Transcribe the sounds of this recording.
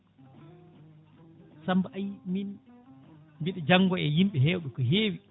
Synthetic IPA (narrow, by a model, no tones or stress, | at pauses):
sambaʔajmin | mbiɗɛd͡ʒaŋːɡɔɛjimɓɛɦɛːwɗɔkɔɦeːwi